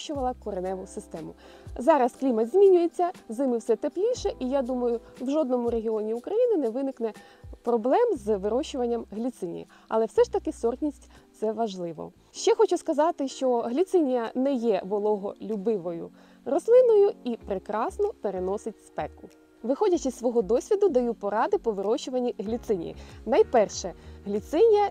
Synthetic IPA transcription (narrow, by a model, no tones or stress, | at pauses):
t͡ʃʊʋɐlˠɐkɔɾenɛʋʊsɪst̪ɛmʊ | zɑɾɐsklʲimɐd̪zʲmʲinʲʊjet͡sʲːɐzɪmɪwsɛt̪eplʲijʃɛʔijad̪umɐjʊwʒɔd̪nɔmʊɾeɦʲiɔnʲiukɾɐjinɪnɛʋɪnɪknɛ | pɾɔblˠɛmzʋɪɾɔʃʊʋɐnʲːɐmɦlʲit̪sɪnʲḭjɐ̰ | ɐ̰lˠɛwsɛʃt̪ɐkɪsɔrt̪ʲnʲisʲtʲt̪sɛʋɐʒlˠɪʋɔ̰ | ʃt͡ʃɛxɔt͡ʃʊskɐzɑt̪ɪʃt͡ʃɔɦlʲit̪sɪnʲijɐnɛjɛʋɔlˠɔɦɔlʲubɪʋɔjʊ̰ | ɾɔslˠɪnɔjʊipɾɪkɾɑsnɔpeɾenɔsɪtʲspɛkʊ | ʋɪxɔdʲɐt͡ʃɪsːʋɔɦɔd̪ɔsʲʋʲid̪ʊd̪ɐjupɔɾɑd̪ɪpɔʋɪɾɔʃʊʋɐnʲːiɦlʲit̪sɪnʲḭjḭnɐjpɛrʃɛɦlʲit̪sɪnʲijɐ